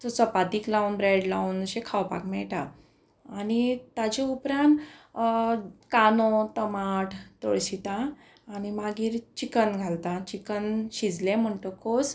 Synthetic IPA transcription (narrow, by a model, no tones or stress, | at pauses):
tɔsɔpat̪iːklaunbɾeɽlaunɕekʰawpa̰kmɛɭʈaː | ñiat͡ɕeupɾãnt̪ | kanot̪əmaʈʰt̪oɭɕit̪ãː | ñimaɡiːɾt͡ɕikənɡʱalt̪ãt͡ɕikənɕid͡zlẽm̤əɳʈəkos